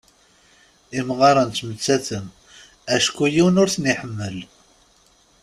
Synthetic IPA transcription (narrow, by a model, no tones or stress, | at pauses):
imʁɑɾˤənt̪mət͡sːæθəm | æʃkujiwənʊɾθnɪħəmːəl